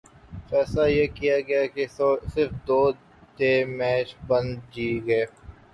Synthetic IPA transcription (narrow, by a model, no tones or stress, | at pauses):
fɛːslajeːkijaɡɐjakesɪɾfd̪oː | t̪eːmɛːt͡ʃbɐ̃nd̪d͡ʒiːɡɐeː